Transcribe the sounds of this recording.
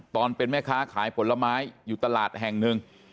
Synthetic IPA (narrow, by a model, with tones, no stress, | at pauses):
t̪ɔː˧npe˧nmɛː˥˩kʰaː˦˥kʰaː˩˦jpʰo˩˦nla˧maː˦˥jːuː˨˩t̪a˧laː˨˩t̪̚ɦɛ˨˩ŋnɯ˧ŋ